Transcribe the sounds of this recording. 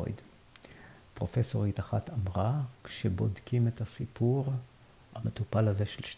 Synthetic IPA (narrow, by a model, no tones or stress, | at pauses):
o̰jd | pʁo̞feso̞ʁit̪aχatamʁakʃebo̞dkimetasipuʁ | hamet̪upalaze̞ʃelʃ